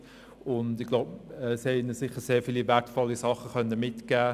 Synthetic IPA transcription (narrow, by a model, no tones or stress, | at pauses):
ʊndɪɡ̥loʊbɛshɛɪnəsɪχːəɾseːfiːlivɛrtfɔlːisɑχəχœnːəmɪtɡ̥æː